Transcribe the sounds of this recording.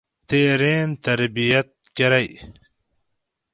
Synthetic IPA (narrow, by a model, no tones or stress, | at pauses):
t̪eːɾeːnt̪ɐɾbijɐt̪̚kɐɾɐj